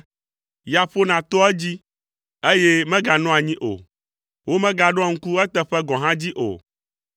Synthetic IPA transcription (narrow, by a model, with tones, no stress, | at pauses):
ja˨ɸo˦nã˨t̪ɔ˦ɛ˦d͡ʑi˦ | e˦je˦mɛ̃˦ɡa˨nɔ̃˦a˨ɲĩ˦ʔo̰˨ | wʔo˦mɛ̃˦ɡa˨ɖɔ˦a˦˨ŋ̩˦ku˦ɛ˦t̪ɛ˦ɸɛ˦ɡɔ̃˨ɦã˦d͡ʑi˦ʔo̰˨